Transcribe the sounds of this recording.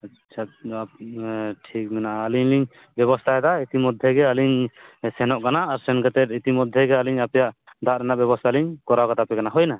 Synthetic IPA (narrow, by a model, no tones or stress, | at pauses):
a | t͡ʃʰat̪̚ | ʈʰik̚mɛnaʔaːliɲliɲ | bɛβɔst̪ʰaɛd̪ait̪imɔd̪ʱjɛɡɛaliɲsɛnɔʔkanaːɾsɛnkɛt̪ɛt̪̚it̪imɔd̪ʱːɛɡɛaliɲapɛjaʔd̪ʱaʔɾɛnaʔbɛbɔst̪ʰaliɲkɔɾawkat̪apɛkanaɦɔjna